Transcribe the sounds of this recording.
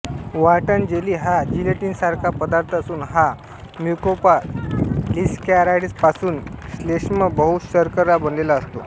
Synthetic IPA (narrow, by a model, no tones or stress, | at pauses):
ʋaʈənd͡ʑeliːɦad͡ʑileʈiːnsaɾkʰapəd̪aɾt̪ʰəsuːnɦa | mjukopa | liskɛɾaɽispasuːnɕleɕməbəɦut̪ɕəɾkəɾːabənlelaəst̪o